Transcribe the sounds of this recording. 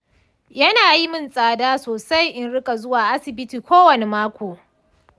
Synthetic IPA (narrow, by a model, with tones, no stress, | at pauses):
jɐ˦naː˨ji˦mɪ˦nsʼaː˨daː˦soː˨sa˦jʔɪ˦nɽɪ˦kʼa˨zʊ˦waː˨ʔa˦sɪ˨bɪ˦tiː˨kʷoː˦wɐ˨ne˨maː˦kʷoː˨